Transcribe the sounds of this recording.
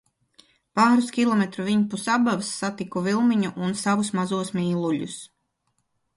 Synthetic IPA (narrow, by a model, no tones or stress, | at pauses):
paːɾuskʲilˠɔmɛt̪ɾuviɲpusabavsːat̪ikuvilˠmiɲuʔːnsavusmazuɔsmiːlˠuʎṵs